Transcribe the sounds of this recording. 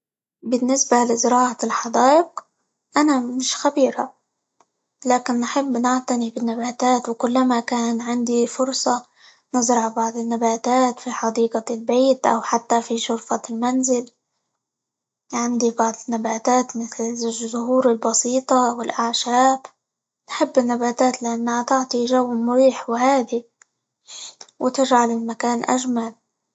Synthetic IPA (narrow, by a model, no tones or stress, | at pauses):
bɪnːɪsbalɪzɾɑːʕalħɑd̪aːʔɪq | ʔanamɪnɪʃxabiːɾa | laːkɪnːħɪbːnɪʕt̪anibɪnːabaːt̪aːt̪wkʊlːamakaːnʕɪnd̪ifʊɾsˤɑ | nɪzɾɑʕbɑʕd̪ˤɪnːabaːt̪aːt̪fiħɑd̪iːqalbeːt̪ʔa̰wħat̪ːafiʃʊɾfalmanzɪl | ʕɪnd̪ibɑʕd̪ˤɪnːabaːt̪aːt̪mɪθlɪzʊhuːɾɪlbɑsiːt̪ˤɑwɪlʔaʕʃaːb | nħɪbːɪnːabaːt̪aːt̪lɪʔanːahat̪ɪʕt̪ˤiʒawːmʊɾiːħwhaːd̪i | wɪt̪ɪʒʕalɪlmakaːnʔa̰ʒmal